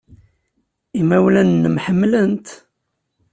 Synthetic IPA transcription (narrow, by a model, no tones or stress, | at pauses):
imæwlænːəmħəmːlənt̪